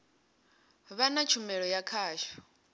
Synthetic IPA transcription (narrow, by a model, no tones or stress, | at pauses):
βanat͡ʃʰumɛɺɔjakʰaːʃḁ